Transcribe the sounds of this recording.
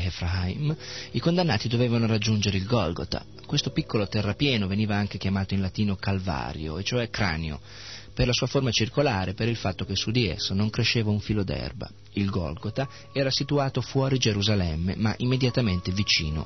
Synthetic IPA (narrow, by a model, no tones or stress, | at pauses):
efɾaimikond̪anːaːt̪id̪oveːvanorad͡ʒːund͡ʒeɾeilɡɔlɡo̰t̪a̰ | kwest̪opikːolot̪ɛrːapjɛːnoveniːvaaŋkekjamaːt̪oinlat̪iːnokalva̰ːɾjo̰et͡ʃːoɛkɾa̰ːneo̰ | perlasuːaformat͡ʃirkolaːɾepeɾilfat̪ːokesːud̪iḛsːonoŋkɾeʃːeːvauɱfiːlod̪ɛ̰rba̰ | ilɡɔ̰lɡot̪a | ɛːɾasit̪uaːt̪ofwɔːɾid͡ʒeɾuzalɛmːḛmaʔimːed̪jat̪ament̪evit͡ʃḭːno̰